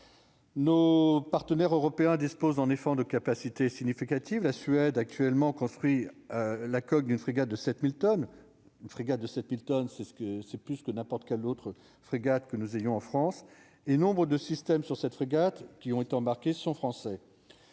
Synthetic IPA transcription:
nopaʁt̪ənɛʁøʁɔpeɛ̃d̪ispozɑ̃nefɑ̃d̪əkapasit̪esiɲifikat̪ivlasɥɛd̪ak̚t̪ʰɥɛlmɑ̃kɔ̃st̪χɥi | lakɔk̚d̪ynfχiɡat̪̚d̪əsɛt̪milt̪ɔn | ynfχiɡat̪̚d̪əsɛt̪milt̪ɔnsɛskəsɛplyskənɛ̃pɔʁt̪kʲɛlot̪χə | fχiɡat̪kənuzejɔ̃ɑ̃fχɑ̃s | enɔ̃bʁəd̪əsist̪ɛmsyʁsɛt̪fχiɡat̪kʲiɔ̃et̪eɑ̃baʁkʲesɔ̃fχɑ̃sɛ

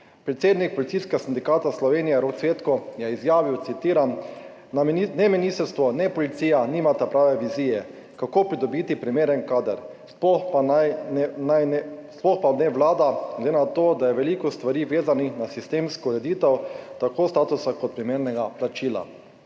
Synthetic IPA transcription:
pɾɛt̪seːd̪nik̚pɔlit̪siskɛɡasind̪ikaːt̪aslɔʋeːnijɛɾot̪sʋeːt̪kɔjɛizjaːʋiwt̪sit̪iːɾan | nɛminist̪ɛɾst̪ʋɔnɛpɔlit̪siːjaniːmat̪apɾaːʋɛʋiziːjɛ | kakopɾid̪ɔbiːt̪ipɾimeːɾɛnkaːd̪əɾ | sppanajsplɔxpanɛʋlaːd̪aɡlɛd̪enat̪od̪ajɛʋɛlikɔst̪ʋaɾiʋeːzaninasist̪emskɔuɾɛd̪iːt̪ɛwt̪akoːst̪aːt̪usakɔt̪̚pɾimeːɾnɛɡaplat͡ʃiːla̰

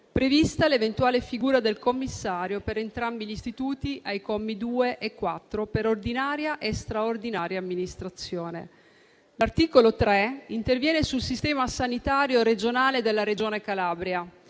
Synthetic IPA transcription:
pɾevist̪alevent̪uaːlefiɡuːɾad̪elkomːisːaːɾjopeɾent̪ɾambiʎist̪it̪uːt̪iʔajkɔmːid̪uːeʔekːwat̪ːɾopeɾord̪inaːɾjaʔest̪ɾaord̪inaːɾjaːmːinist̪ɾat̪sːjoːnḛ | lart̪iːkolot̪ɾɛint̪ervjɛːnesulsist̪ɛːmasanit̪aːɾjoɾed͡ʒonaːled̪elːaɾed͡ʒoːnekalaːbɾja

